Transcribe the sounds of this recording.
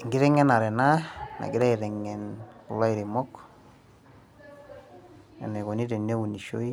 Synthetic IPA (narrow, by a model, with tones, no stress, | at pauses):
ŋɡi˦ɾɛ˦ŋɛ˦na˨ɾɛ˨na˦na̰˨ɡɪ˦ɾɛ˦i˨ɾɛ˨ŋːɛ˨nkɔ˨la˦i˨ɾi˨mɔ˦k | ɛ̰˨nɛ˨kɔ˨ni˦ɾe˨ne˦wu˨ni˨ʃo˦i˦